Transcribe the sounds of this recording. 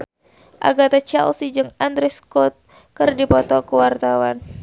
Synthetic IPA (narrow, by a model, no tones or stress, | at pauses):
ʔa̰ɡat̪at͡ʃa̰lsid͡ʒɨŋand̪ɾɛskɔt̪̚ | kɨrdipɔt̪ɔkəwart̪awan